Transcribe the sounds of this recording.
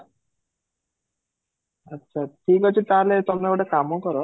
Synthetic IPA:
ətːɕʰaʈʰikɔt͡ɕʰit̪aɾlet̪ɔmnekoʈekamɔkɔɾɔ

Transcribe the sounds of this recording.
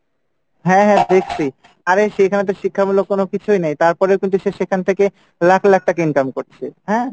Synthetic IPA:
ɦɛ̃ɦɛ̃d̪ekʰsʰi | aɾeʃekʰanat̪̬eɾʃikʰːabulokonokit͡ɕʰujnajt̪aɾpɔɾewkint̪uʃeʃekʰant̪ʰeke | lakʰlak̚ʈakeinkamkoɾt͡ɕʰeɦɛ̃

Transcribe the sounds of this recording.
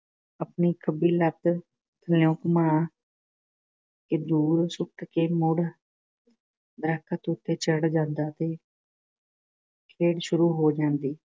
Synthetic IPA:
əpniːkʰəbiːlət̪ | t̪ʰəlõːkmãː | kɪd̪uːɾsʊʈkeːmʊɽ | d̪əɾəkʰːət̪ʊt̪ʰːeːt͡ʃəɽd͡ʒãːnd̪aːt̪eː | kʰeːɽʃʊɾuːɦoːd͡ʒãːnd̪iː

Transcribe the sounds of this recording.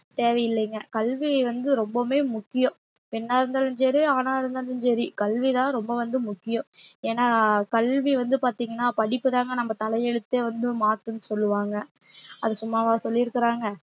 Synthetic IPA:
t̪eːʋɐjɪlːɐŋɡɐkɐlʋiʋɐnd̪ɯɾɔmbɐmeːmʊkːɪjʊ̃ | pɪnːaːɪɾɯnd̪aːlɯnsɛɾiaːnaːɪɾɯnd̪aːlɯnsɛɾikɐlʋit̪ãːɾɔmbɐʋɐnd̪ɯmʊkːɪjõeːnaːkɐlʋiʋɐnd̪ɯpaːɾt̪iːŋɡɐnːaːpɐɽɪpːɯðaːŋɡɐnɐmːɐt̪ɐlɐjɛɽɯt̪ːeʋɐnd̪ɯmaːʈːɯnːɯsɔlːɯʋaːŋɡɐ | ɐðɯsʊmːaːʋaːsɔlːɪɪɾɯkːɪɾaːŋɡɐ

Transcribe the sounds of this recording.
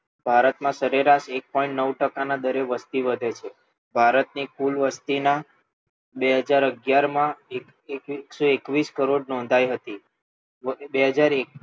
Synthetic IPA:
bʱaɾət̪mãsəɾeɾaʃek̚pɔĩɳʈnəʋʈəkanad̪əɾeʋəst̪iʋəd̪ʱet͡ʃʰe | bʱaɾət̪̚nikulʋəst̪ina | beɦəd͡ʒaɾəɡjaɾmãek | ekksoekʋiskəɾoɖ̚nɔ̃nd̪ʱajɦət̪i | beɦəd͡ʒaɾe

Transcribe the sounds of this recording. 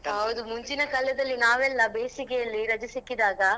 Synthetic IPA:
ɦɐʋd̪umʊɲd͡ʒinɐkɐlːɐd̪ɐlːinaːʋɛlːɐbeːsikejɐlːiɾɐd͡ʒɐsikːid̪aːɡɐ

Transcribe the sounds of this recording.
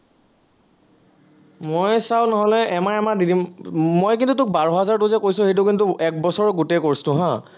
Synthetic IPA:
mojsawnɔɦɔlɛɛmaɛmadidimmojkintut̬ʊk̚baɹɔɦazaɹtʊzɛkojsʊ̃hejt̬ʊkintʊʔɛk̚bɔsɔɹɡutejkoɹstʊ̃ɦã

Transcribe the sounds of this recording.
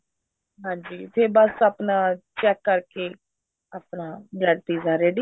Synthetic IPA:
ɦãːɲd͡ʒiːt̪ʰeːbəsaːpnãːt͡ʃɛːkːəɾkeː | aːpnãːbɛɽʈ̪iːzaːɾeːɖiː

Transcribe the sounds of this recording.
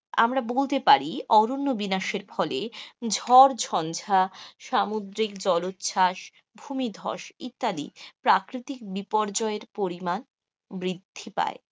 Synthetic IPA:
a̰mɾabolt̪epaɾiɔɾonːobinaʃeɾfʰɔled͡ʑʱɔɾd͡ʑʱɔnd͡ʑʱaʃamud̪ɾik̚d͡ʑɔlot̪ːɕʰaʃ | bʱumid̪ʱɔ̰ʃit̪ːalḭpɾakɾit̪ik̚bipɔɾd͡ʑɔeɾpoɾiman | mɾid̪ʱːipa̰e

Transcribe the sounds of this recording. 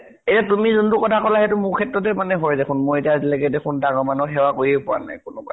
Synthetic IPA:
etatumizuntʊkɔtʰakɔlaɦetʊmʊɹkʰɛtɹɔt̬ɛmanɛɦojdekʰʊnmʊɹetiazilɛkɛdɛkʰʊndaŋɔmanɔxɛwakoɹiejpʊwa̰na̰jkʊnʊka̰

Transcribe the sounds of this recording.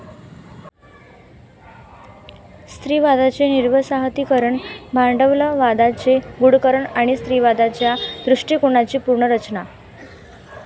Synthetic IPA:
st̪ɾiːʋad̪at͡seniɾʋəsaɦət̪iːkəɾəɳmaɳɖəʋləʋad̪at͡seɡuɽkəɾəɳaɽ̃ist̪ɾiːʋad̪at͡ɕjad̪ɾuʂʈikoɳat͡ɕiːpuɾɳəɾət͡ɕna

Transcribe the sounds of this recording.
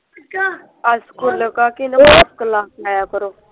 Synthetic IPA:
askuləkaːkinəskəlãːaːjaːkəɾoː

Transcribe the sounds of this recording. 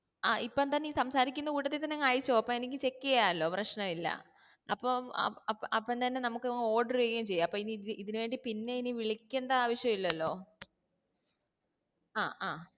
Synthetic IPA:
aːʔipːoent̪ɐnːeiːsɐmsaːɾikʲːunːɐkuːʈːɐt̪ːet̪ɐnːekaːɻit͡ɕːoɐpːomenikʲːɨt͡ɕe̞kːiɐjaːɐlːo̞ːprɐɕnɐmilːɐ̰ | ɐpːo̰ɐɐpːoent̪ɐnːe̞nɐmukːɨo̞ːɖɐrekːɐjumt͡ɕe̞jːamːɐpːominiiðinuʋeːɳɖipinːe̞iniʋiɭikʲːuɳɖɐaːʋɐɕʂjɐmilːɐlːo̞ː | aːaː

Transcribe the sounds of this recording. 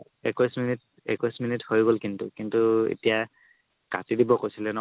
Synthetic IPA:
ɛkɔjsminit̚ | ɛ̰kɔjsminithojɡolkintʊkintuḛtija | katidibɔkojsilɛnɔ

